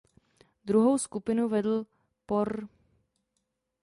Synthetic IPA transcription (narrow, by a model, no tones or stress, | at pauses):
d̪ɾuɦo̞wskupɪnuvɛdl̩ | poɾ